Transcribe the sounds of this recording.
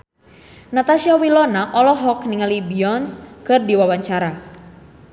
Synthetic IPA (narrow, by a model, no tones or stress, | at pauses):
nat̪aʃiawilɔnaʔɔlɔɦɔkniŋalibiɔnskɨrdiwawaɲt͡ʃaɾa